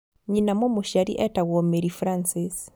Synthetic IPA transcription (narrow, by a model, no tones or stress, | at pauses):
ɲinamɔmoʃaɾḭʔɛtaɣɔmeɾifɾansis